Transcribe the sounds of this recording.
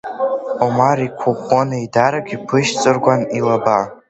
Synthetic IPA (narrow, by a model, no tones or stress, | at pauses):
omaɾikʷʰuχʷʼonaidaɾaɡʲipʰɨʃt͡sʼɨrɡʷanilaba